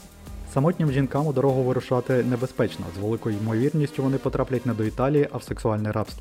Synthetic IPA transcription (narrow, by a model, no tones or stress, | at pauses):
sɐmɔtʲnʲimʒʲinkɑmʊd̪ɐɾɔɦʊʋɪɾʊʃɑt̪ɪnebespɛt͡ʃnɔ̰zʋelˠɪkɔjʊjmɔʋʲirnʲisʲtʲʊʋɔnɪpɔt̪ɾɑplʲɐtʲnɛd̪ɔit̪ɑlʲijiʔɐwseksʊɑlʲnɛjɾɑpst̪ʋʲi